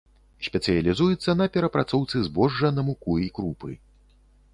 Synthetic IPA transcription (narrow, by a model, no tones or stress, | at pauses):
sʲpʲɛt̪sɨjɐlʲizujɛt̪sːɐnɐpʲɛɾɐpɾat̪sɔwt̪sɨzbɔʐːɐnɐmukuikɾupɨ